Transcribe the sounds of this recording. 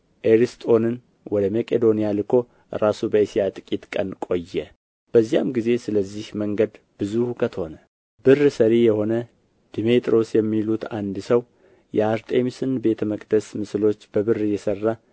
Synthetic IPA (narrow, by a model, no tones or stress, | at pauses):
ʔeɾist̪ʼo̞nɨn | wɔd̪əmekʼed̪o̞nijalɨkʰo̞ | ɾasubəisijat̪ʼɨkʼit̪kʼənkʼo̞jːɛ | b̥əzːija̰mɡize̞sɨləzːihməŋɡəd̪ | b̥ɨzuhukʰət̪ʰho̞nə | b̥ɨrsəɾijɛho̞nə | d̪̥imet̪ʼɾo̞sjɛmːilut̪ʰand̪səw | jɛaɾt̪ʰe̞misɨnbe̞t̪ʰəməkʼd̪̥əsmɨslo̞t͡ʃːbəβɨrjɛsərːa